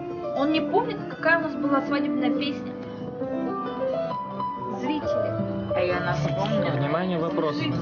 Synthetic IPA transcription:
o̞nnʲɪpomnʲɪt̪kɐkajənasbɨlˠasvɐdʲibnəjəpʲesʲnʲə | zɾʲitʲɪlʲɪɐjanaspomnʲɪəvnʲɪmanʲɪjəvɐpɾos

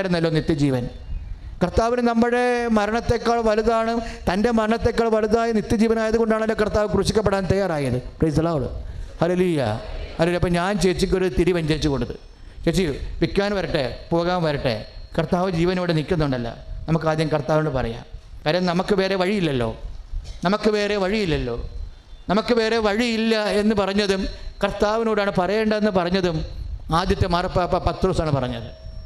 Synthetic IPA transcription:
ajiɾunːɐlːo̞ːnit̪ːjɐd͡ʑiːʋɐn | kɐrt̪ːaːʋinenɐmːuɽe̞mɐɾɐɳɐt̪ːe̞kːaːɭʋɐluðaːɳɨt̪ɐnde̞mɐɾɐɳɐt̪ːe̞kːaːɭʋɐluðaːjɐnit̪jɐd͡ʑiːʋɐnaːjɐðuɣo̞ɳɖaːɳɐlːo̞ːkɐrt̪aːʋɨkruɕikʲːɐpːeɽaːnt̪ɐjaːraːjiɐðɨprejsɐlaːʋoɭɨ̰hɐleluːjɐ̰hɐlejɐpːɐmɲaːnt͡ɕeːt͡ɕːik̬ʲːo̞ɾut̪iɾiʋɐɲd͡ʑɐit͡ɕːukoɳɽuðɨ̰ | t͡ɕeːɕiʋikʲːaːnʋɐɾiʈːepoːɣaːnʋɐɾiʈːḛkɐrt̪aːʋɐd͡ʑiːʋɐneʋiɽenikʲːunːuɳɖɐlːɐ̰nɐmukːɨaːd̪jɐmkɐrt̪aːʋinoːɽpɐrɐja̰ːmkaːɾɐjɐmnɐmukːɨʋe̞ːɾe̞ʋɐɻijilːɐlːo̞̰ːnɐmɐkːɨʋe̞ːre̞ʋɐɻijilːɐlːo̞̰ː | nɐmukːɨʋe̞ːre̞ʋɐɻijilːɐe̞nːɨpɐrɐɲːɐðumkɐrt̪ːaːʋinoːɽaːɳɨpɐrɐjeːɳɖɐe̞nːɨpɐrɐɲːɐðumaːd̪jɐt̪ːemarɐpːapːɐpɐt̪ːroːsaːɳɨpɐrɐɲːɐðɨ

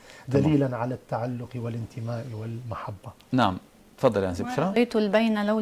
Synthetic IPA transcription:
d̪aliːlanʕalat̪ːaʕalːʊqwɪlɪnt̪ɪmaːʔɪwɪlmaħabːa | naʕam | t̪fɑd̪ˤːɑljanisɪbʃɾiːt̪ʊlbajnalaw

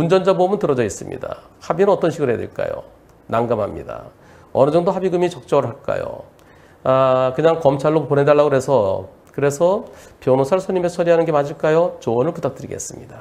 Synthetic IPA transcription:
und͡ʑʌnd͡ʑabomɯntɯɾʌd͡ʑʌis͈ɯmɲḭda̰ | habinɯnʌt͈ʌnɕʰiɡɯɭɦejadwḛɭk͈a̰jo̰ | naŋɡamɦamɲida̰ | ʌnɯd͡ʑʌŋdoɦabiɡɯmit͡ɕʌk̚t͡ɕ͈ʌɡɯɭɦaɭk͈a̰jo̰ | akɯɲaŋkʌmt͡ɕʰaɭːopone̞daɭːaɡoɾe̞sʰʌ | kɯɾe̞sʰʌpjʌnosʰaɭsʰʌɲimesʰʌɾiɦanɯnɡe̞mad͡ʑʰiɭk͈ajot͡ɕoʌnɯɭput̪ʰak̚t͈ɯɾḭɡe̞̰s͈ɯmɲḭda

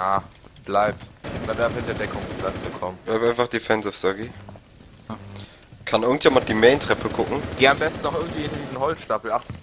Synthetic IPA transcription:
aːb̥laɪp̚tladafhɪntɐdɛkʰʊŋplat͡sɡ̥əkʰɔmənb̥laɪptʔaɪnfaχd̥efɛnsafsɔɡi | kʰanʔɪɐɡŋ̩tveːmand̥iːmɛːntʁ̥ɛpʰəkʰʊkŋ̩ɡ̥eːambɛstn̩nɔχʔɪɐɡŋ̩tv̥iːɪndiːzn̩ɦɔlt͡sʃtapl̩aχ

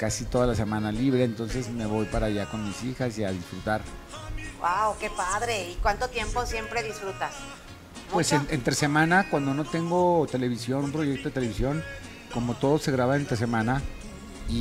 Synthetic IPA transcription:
kasit̪o̞ðalas̬e̞mãnaliβɾe̞ːnt̪o̞nse̞sme̞βo̞jpaɾaʝako̞nmisixasiaðisfɾut̪aɾ | wawke̞paðɾe̞ikwant̪ot̪je̞mpo̞sje̞mpɾe̞ðisfɾut̪as | we̞seent̪ɾese̞mãnakwand̪o̞no̞t̪e̞ŋɡo̞t̪e̞le̞βisjo̞numpɾoʝekt̪oet̪ele̞βisjo̞n | ko̞mo̞t̪o̞ðo̞se̞ɣɾaβaent̪ɾe̞s̬e̞mãna | i

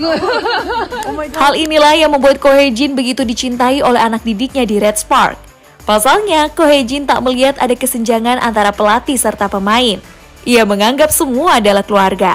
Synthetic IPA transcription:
halinilahjaŋməmbuat̪̚koɦed͡ʒɪnbəɡit̪udit͡ʃint̪aiʔolɛɦanak̚didɪk̚ɲadiɾɛt̪spa̰rk̚ | pasalɲakoɦed͡ʒɪnt̪a̰ʔməliɦat̪adakəsəɲd͡ʒaŋanʔa̰nt̪aɾapəlat̪isərt̪apəmaɪn | ʔiaməŋaŋɡapsəmuadalahkəluarɡa̰

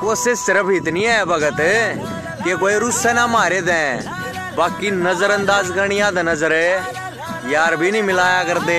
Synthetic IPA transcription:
koːsesɪɾəpʰɪt̪niɛbʱɐɡət̪ | kek̬oːeɾʊsɛnamaːɾed̪ɛ̃ | baːkinɐzəɾɐ̃nd̪aːzkɐɾɽ̃ɪjãd̪anɐzəɾɛ | jaːɾbʱinĩmɪlaːjakɐɾd̪eː

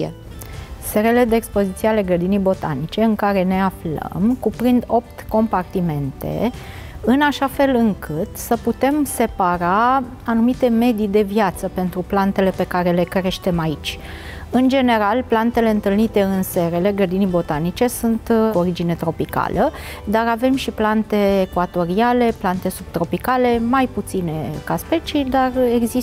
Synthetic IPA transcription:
e | se̞ɾele̞d̪eːkspo̞zit̪sijeale̞ɡɾəd̪inijbo̞t̪a̰nit͡ʃe̞ɨŋkaɾe̞ne̞aflə̰mkupɾind̪o̞p̚t̪ko̞mpart̪ime̞nt̪e̞̰ | ɨnaʃafe̞lɨŋkʰɨt̪səput̪e̞mse̞paɾa | anumit̪e̞me̞d̪id̪e̞vjat̪səpe̞nt̪ɾuplant̪e̞le̞pe̞kaɾe̞le̞kɾe̞ʃt̪e̞mait͡ʃʲ | ɨnd͡ʒe̞ne̞ɾalplant̪e̞le̞ɨnt̪ɨlnit̪e̞ɨnse̞ɾe̞le̞ɡɾəd̪inibo̞t̪anit͡ʃe̞sunt̪oɾid͡ʒine̞t̪ɾo̞pika̰ləd̪aɾave̞mʃiplant̪e̞ːkwat̪o̞ɾiale̞plant̪e̞sub̚t̪ɾo̞pikale̞majput̪sine̞kaspe̞t͡ʃid̪are̞ɡzi

